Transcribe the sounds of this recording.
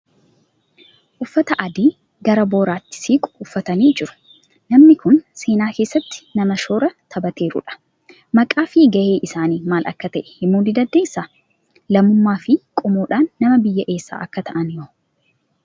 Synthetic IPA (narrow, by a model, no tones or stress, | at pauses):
ʔʊfːɐt̪ɐʔɐd̪iː | ɡɐɾɐbo̞ːɾaːt̪ːɪ̥siːkʼʊ̥ʊfːɐt̪ɐniːd͡ʒɪɾʊ̥ | nɐmnɪkʊnse̞ːnaːkeːsːɐt̪ːɪ̥nɐmɐʃoːɾɐt̪ʰɐbɐt̪e̞ːɾʊ̰ᶑɐ̥ | mɐkʼaːfɪɡɐʔeːʔɪsaːniːmaːlʔɐ̰kːɐt̪ɐʔɛ̥hɪmuːd̪ɪd̪ɐd̪ːeːsːaː | lɐmːʊmːaːfɪkʼɔmuːᶑaːnːɐmɐbɪjːɐʔe̞ːsːa̰ːʔɐkːɐt̪ʰɐʔɐnjoː